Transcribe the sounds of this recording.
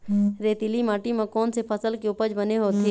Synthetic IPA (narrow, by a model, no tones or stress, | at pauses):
ɾeːt̪ilimaːʈimẽkɔːnsepʰəsəlkiʊpəd͡ʒbəneɦoːt̪i